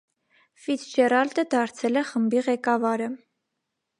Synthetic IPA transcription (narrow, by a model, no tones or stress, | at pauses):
fid̪d͡ʒɛrɑld̪əd̪ɑɾt͡sʰɛlɛχəmbiʁɛkɑvɑɾə